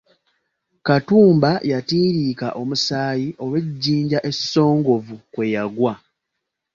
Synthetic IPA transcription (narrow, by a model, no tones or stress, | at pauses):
katuːmbajatiːɾiːkaʔo̞musaːjiʔo̞weɟːiːɲɟaʔe̞so̞ːŋɡo̞vukwe̞jaɡwa